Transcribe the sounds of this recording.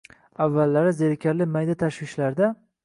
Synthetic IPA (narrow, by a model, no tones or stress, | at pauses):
avːalːaɾɪzeɾkʲʰaɾlɪmajd̪at̪ʰaʃwɪʃlaɾd̪a